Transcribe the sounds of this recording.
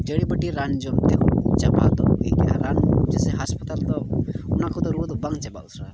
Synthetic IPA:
d͡ʒəɽibəʈiɾand͡ʒɔmt̪ɛut͡ʃaba̰t̪ɔɡəjka̰ɾand͡ʒɛsɛɦaspət̪alt̪ɔunakɔt̪ɔɾud̪ɔbaŋt͡ʃɛbausʰɾa

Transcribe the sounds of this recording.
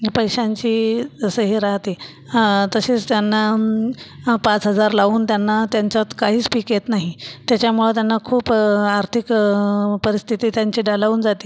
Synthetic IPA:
pəjɕãɲt͡ɕiːd͡zəsəɦiɾaɦt̪iː | t̪əɕeːt͡st̪janːa | pat͡sɦəd͡zaɾlaʋuːnt̪janːat̪jaɲt͡ɕat͡s̪kaɦiːt͡spikjet̪naɦit̪jat͡ɕjamuɭet̪janːakʰuːpaɾt̪ʰikpəɾist̪ʰit̪iːt̪jaɲt͡ɕiːɖalaʋuːnd͡zat̪i̥ː

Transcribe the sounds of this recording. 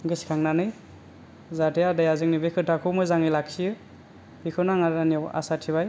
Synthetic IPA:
ɡɯskʰaŋnanɯj | zatejadajazɯŋnibekʰɯtʰakʰɯwmɯjzaŋilaksiɯ | b̥ikʰɯnaŋaɾania̰satʰiβaj

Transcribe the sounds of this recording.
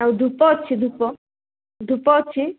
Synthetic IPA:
awd̪ʱupɔt͡ʃʰid̪ʱupɔ | d̪ʱupɔt͡ʃʰi

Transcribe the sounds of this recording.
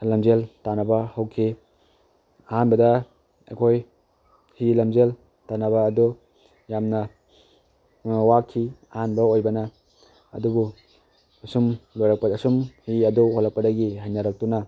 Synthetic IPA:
lɐmzeltanɐbɐhɐwkʰi | ɐhanbɐdɐ | ḛkʰoj | hilɐmzel | tanɐbɐːdo | jamnɐ | wakʰːiɐhanbɐojbɐnɐ̰ː | dubu | ɐsumlojɾɐk̚pɐɐsumhiɐduholːɐk̚pɐdɐɡiɦajnaɾɐk̚tuna

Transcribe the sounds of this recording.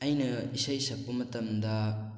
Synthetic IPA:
ɐjnɐisajsɐk̚pɐmɐtɐmd̪ɐ

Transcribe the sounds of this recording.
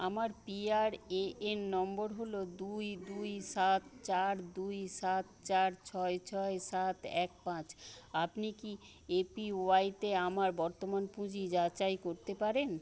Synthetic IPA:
amaɾpiaɾeʔenːɔmboɾɦolod̪ujd̪ujsat̪t͡ɕaɾd̪ujsat̪t͡ɕaɾt͡ɕʰɔet͡ɕʰɔesat̪ɛk̚pãt͡ɕapniki | epioajt̪eamaɾbɔɾt̪omanpũd͡ʑid͡ʑat͡ɕajkoɾt̪epaɾen

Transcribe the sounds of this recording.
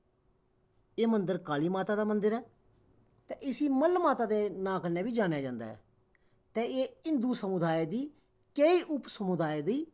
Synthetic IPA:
eːmənd̪əɾkaːliːmaːt̪aːd̪aːmənd̪əɾɛː | t̪ẽːʔɪsiːməlmaːt̪aːd̪eːnãːkəneːbiːd͡ʒaːnjaːd͡ʒãːnd̪a̰ːɛ̰ː | t̪ẽːeːɪnd̪uːsəmʊd̪aːed̪iː | keiːʔʊpsəmʊd̪aːed̪iː

